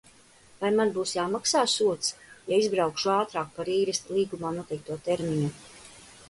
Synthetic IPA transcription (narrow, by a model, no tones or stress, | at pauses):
vajmanbuːsjaːmaksaːsuɔt̪sjaizbɾawkʃuaːt̪ɾaːk̚paɾiːɾɛst̪lˠiːɡumaːnuɔt̪ʲɛjk̚t̪uɔt̪ɛɾmiɲu